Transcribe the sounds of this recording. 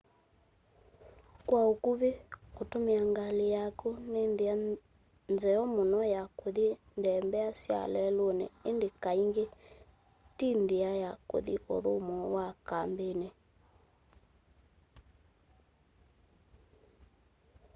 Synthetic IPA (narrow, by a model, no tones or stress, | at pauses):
kwaokuβekotomeaŋɡalejakunenðea | nzɛɔmonɔjakoðindɛmbɛasja̰lɛlonɛ̰endekaiŋɡe | tindeajako̰ðiʔo̰ðomɔwakambene